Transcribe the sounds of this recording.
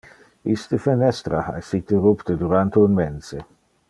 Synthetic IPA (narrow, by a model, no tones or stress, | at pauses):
ist̪əfenɛst̪ɾaha̰esit̪eɾupt̪əd̪uɾant̪eunmɛnse